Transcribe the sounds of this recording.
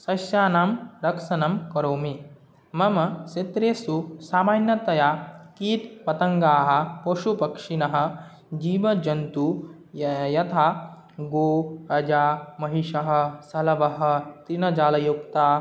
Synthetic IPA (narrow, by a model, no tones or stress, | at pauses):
sɐsjaːnaːmɾɐkʂɐnɐmkɐɾoːmi | mɐmɐset̪ɾeːsusaːmaːnjɐt̪ɐjaːkiːt̪pɐt̪ɐŋɡaːɦɐ̆poʃupɐkʂinɐɦɐ̆ | d͡ʒiːʋɐd͡ʒɐnt̪u | jɐt̪ʰaː | ɡoːɐd͡ʒaːmɐɦiʃɐɦɐ̆sɐlɐʋɐɦɐ̆t̪ɾinɐd͡ʒaːlɐjupt̪aː